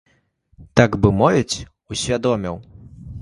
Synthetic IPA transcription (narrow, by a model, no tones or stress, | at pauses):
t̪aɡbɨmɔvʲɛt͡sʲ | usʲvʲad̪ɔmʲiw